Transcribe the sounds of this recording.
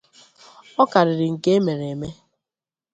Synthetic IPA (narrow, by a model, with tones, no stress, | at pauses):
ɔ˦ka˨ɾɪ˨ɾɪ˨ŋ̩˨ke˦e˦me˨ɾe˨e˨me˦